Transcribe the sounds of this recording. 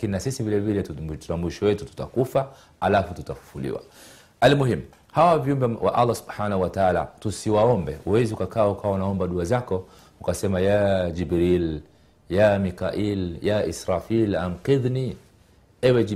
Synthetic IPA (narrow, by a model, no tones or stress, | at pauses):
akininasisivilɛvilɛtu̥tamwiʃɔwɛtu̥tu̥ta̰kufa | alafututafu̥fulḭwa̰ | almuhimu | hawaviumbɛwa̰ʔalːasu̥bħanahuwataala̰tusiwaɔmbɛuwɛziukakaːukawaunaɔmbaɗuazakɔ | ukasɛmajad͡ʒibɾil | jamikaʔiljaʔisɾafilam̩qiðni | ɛwɛ